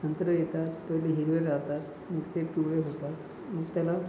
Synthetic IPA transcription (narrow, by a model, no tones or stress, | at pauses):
sənt̪ɾəjet̪at̪ːəjleɦiɾʋeɾat̪at̪ | məkt̪epiɭeɦot̪at̪ | məɡt̪jala